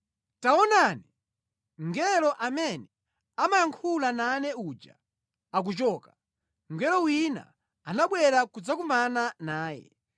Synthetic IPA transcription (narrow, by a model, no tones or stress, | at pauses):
taɔnani | ŋɡɛlɔʔamɛnɛ | amajaŋkʰulanaːnɛuːd͡ʒa̰ | ak̬ut͡ʃɔːka | ŋɡɛlɔwina̰ | anaɓwɛɾakud͡zakumananaːjɛ̰